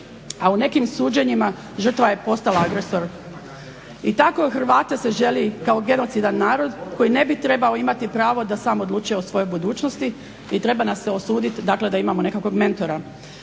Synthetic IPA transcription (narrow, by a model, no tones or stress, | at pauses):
aune̞kimsuːd͡ʑeɲima | ʒr̩t̪ʋaje̞po̞st̪alaaɡɾe̞so̞ɾ | it̪ako̞xr̩ʋaːt̪ese̞ʒe̞likao̞ɡe̞no̞t̪sid̪anːaːɾo̞d̪ko̞jine̞bit̪ɾe̞bao̞imat̪ipɾaːʋo̞d̪asaːmod̪lˠuːt͡ʃujeosʋo̞jo̞jbud̪uːt͡ʃnost̪i | it̪ɾe̞banasːeo̞suːd̪it̪d̪akle̞d̪aimamone̞kako̞ɡme̞nt̪o̞ɾa